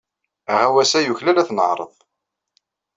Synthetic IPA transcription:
æʁæwæsæjuçlælæθnə̰ʕɾˤə̰ðˤ

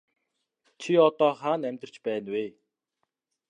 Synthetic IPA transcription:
t͡ɕʰiɔt̪ɔːχaːnæmʲt̪ə̆r̥t͡ɕpæːnweː

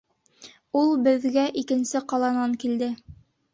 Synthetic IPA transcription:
ulˠbɘ̆ðɡæʔikɘ̆nsɘqɑlˠɑnɑŋkild̪ɘ

